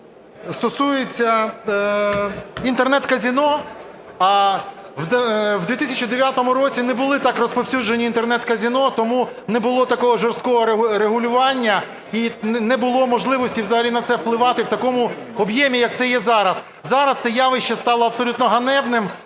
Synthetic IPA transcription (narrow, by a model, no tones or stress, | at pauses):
st̪ɔsujet͡sʲːɐ | int̪ernɛt̪kɐzʲinɔ | ɑ | w̪wd̪ʋʲit̪ɪsʲɐt͡ʃid̪eʋʲjat̪ɔmʊɾɔt͡sʲinɛbʊlˠɪt̪ɑkrɔspɔwsʲud͡ʒenʲiːnt̪e̞rnɛt̪kɐzʲinɔt̪ɔmunɛbʊlˠɔt̪ɐkɔɦɔʒɔrst̪kɔɦɔɾɾeɦʊlʲʊʋɑnʲːɐ | inɛbʊlˠɔmɔʒlˠɪʋɔsʲtʲiwzɑɦɐlʲinɐt̪sɛwplˠɪʋɑt̪ɪwt̪ɐkɔmʊɔbjɛmʲijɐk̚t̪sɛjɛzɑɾɐs | zɑɾɐst̪ɛjɑʋɪʃt͡ʃɐst̪ɑlˠɐɐbsɔlʲut̪nɔɦɐnɛwnɪm